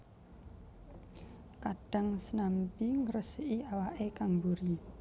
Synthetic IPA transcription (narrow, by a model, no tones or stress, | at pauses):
kaɖ̥a̤ŋsənampiŋəɾəsəʔiawaʔekaŋbuɾi